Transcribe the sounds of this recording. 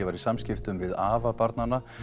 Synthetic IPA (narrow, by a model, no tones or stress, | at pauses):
ɛvaɾisamscɪft̪ʏmvɪðaːvapaɾt̪nanːa